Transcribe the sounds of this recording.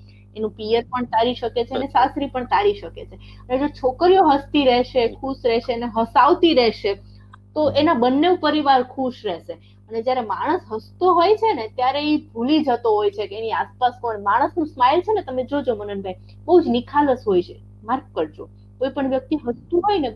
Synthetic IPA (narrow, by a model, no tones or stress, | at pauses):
enũpijəɾpəɳt̪aɾiʃəket͡ʃʰenesasɾipəɳt̪aɽiʃəket͡ʃʰe | əned͡ʒot͡ʃʰokɾijoɦəst̪iɾɛʃekʰuʃɾɛʃeəneɦəsaʋt̪iɾɛɦʃe | t̪oʔenabənːeupəɾiʋaɾkʰuʃɾɛʃe | əned͡ʒjaɾemaɽ̃əsɦəst̪oɦojt͡ʃʰenet̪jaɾeibʱulid͡ʒʱət̪oɦojt͡ʃʰekeeniaspaskonmaɽ̃əsnũsmajlt͡ʃʰenet̪əmed͡ʒod͡ʒomənənbʱaj | bəɦud͡ʒnikʰaləsɦojt͡ʃʰe | maɾkːəɾd͡ʒo | koipəɳʋjək̚t̪iɦəst̪uɦojne